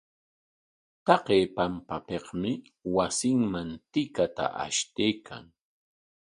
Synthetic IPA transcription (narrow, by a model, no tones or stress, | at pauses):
t̪ɑqeːpampapeqmɪ | wasɪŋmant̪ɪkat̪a̰ʔa̰ʃt̪ejkʰa̰ŋ